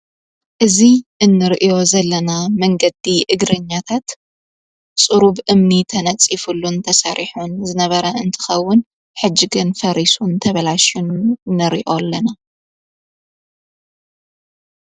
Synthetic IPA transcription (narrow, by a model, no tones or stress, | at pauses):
ʔɨziʔɨnːɨɾʔijo̞zɐlːɐnamɐŋɡɐd̪iʔɨɡɾɐɲːat̪ʰat̪ | t͡sʼɨɾuβʔɨmnit̪ʰɐnɐt͡sʼifulunt̪ʰɐsɐɾʔiħunzɨnɐβɐɾɐɨnt̪ʰɨ̥xɐwːʊn | ħɨd͡ʒːɪɡɨnfɐɾisunt̪ʰɐβɐlaʃunːɨɾḭʔolːɐna